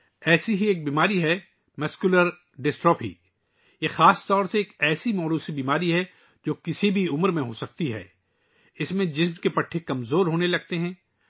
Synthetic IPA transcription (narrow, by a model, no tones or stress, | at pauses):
ɛːsiɦieːk̚biːmaːɾiɦɛ | mʊskjuləɾ | ɖɪsʈɾoːpʰḭː | jexaːst̪ɔːɾseeːkɛːsimɔːɾuːsibiːmaːɾiɦɛ | d͡ʒoːkɪsibʱiʊmɾmẽɦoːsɐk̚t̪iɦɛ̰ː | ɪsmẽd͡ʒɪsmkepɐʈʰːekɐmzoːɾɦoːnelɐɡ̚t̪eɦɛ̃ː